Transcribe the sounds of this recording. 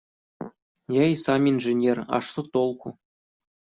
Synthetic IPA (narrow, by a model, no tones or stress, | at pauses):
jæjsɑmʲinʐɘ̆nʲerɑ̰ʂsɤt̪olˠku